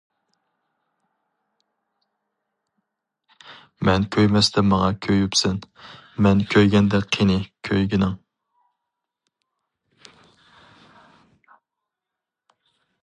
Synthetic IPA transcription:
mɛnkʲʰøjmɛst̪ʰɛmɑŋɑkʲʰøjypsɛnmɛnkʲʰøjɡʲɛnd̪ɛqʰenɪkʲʰøjɡʲinɪŋ

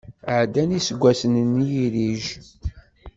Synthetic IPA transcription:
ʕd̪ænisəɡʷæsənnːijiɾiʒ

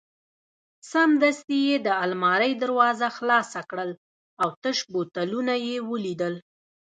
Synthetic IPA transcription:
samd̪ast̪ijed̪əalmɑɾəjd̪aɾwɑzaxlɑsakɽəl | awt̪əʃbot̪alunajewəlid̪əl

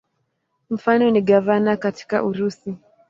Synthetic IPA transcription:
m̩fanɔniɠavanakati̥ka̰ʔuɾusi

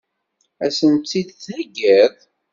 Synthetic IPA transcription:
æsənt͡s̪ːid̪θnæɡːæð

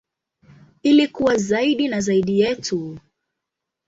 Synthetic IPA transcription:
ilikuwazaiɗinazaiɗijɛtu

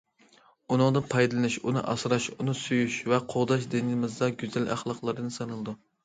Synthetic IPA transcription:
unɨŋd̪ɨpʰɑjd̪ɨlˠnɪʃunɨ̰ʔɑ̰sɾɑʃunɨsyjyʃvɛqʰoʁd̪ɑʃ̬d̪ɪnɪmɪzd̪ɑɡʲyzælæ̰χlˠɑqlˠɨɾɨd̪ɨsɨnɨlˠɨd̪u

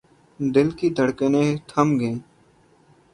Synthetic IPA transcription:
d̪ɪlkiːd̪ʱəɽkənẽːt̪ʰəmɡẽː

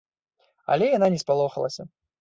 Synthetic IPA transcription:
a̰lʲɛjananʲɛspalˠɔxɐlˠɐsʲɐ

